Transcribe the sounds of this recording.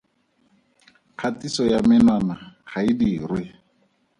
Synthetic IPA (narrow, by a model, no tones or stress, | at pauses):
q͡χʰatisɔjamɪnwanahaidiːrwɪ